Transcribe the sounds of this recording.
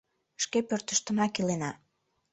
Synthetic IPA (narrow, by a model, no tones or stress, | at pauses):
ʃkepørt̪əʃt̪ə̆mɑkilenɑ